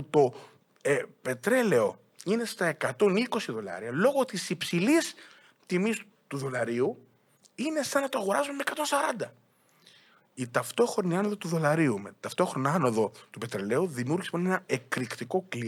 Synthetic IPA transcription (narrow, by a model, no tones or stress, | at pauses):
ut̪o̞ | pe̞t̪ɾe̞le̞o̞ | ine̞st̪ɐe̞kɐt̪o̞niko̞siðo̞lɐ̰ɾiɐlo̞ɣo̞t̪isipsilis | t̪imis | t̪uðo̞lɐɾiu | ine̞sɐnːɐt̪oɐɣo̞ɾɐzummekɐt̪o̞nsɐɾɐnd̪ɐ | it̪ɐft̪o̞xɾoniɐnoðot̪uðo̞lɐɾiumet̪ɐft̪o̞xɾo̞nɐɐno̞ðo̞t̪upe̞t̪ɾe̞le̞uðimijuɾʝismonenɐe̞kɾikt̪iko̞kli